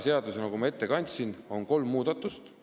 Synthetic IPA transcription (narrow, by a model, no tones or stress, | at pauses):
se̞ɑd̪use̞nɑkumɑe̞t̪ːe̞kɑnʲt̪sino̞nko̞lmːuːd̪ɑt̪ːˑust̪